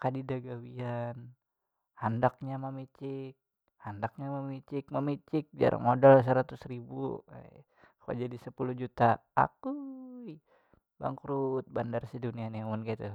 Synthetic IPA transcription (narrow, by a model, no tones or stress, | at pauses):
kadidaɡawian | handak̚ɲamamit͡ʃɪk̚ | handak̚ɲaməmit͡ʃɪk̚məmit͡ʃɪk̚d͡ʒa̰ɾʔa̰ŋmodals̬əɾat̪ʊsɾibṵ | kua̰d͡ʒadisəpulud͡ʒut̪aa̰kui | ba̰ŋkɾut̪̚bandarsidunianiamʊnkait̪u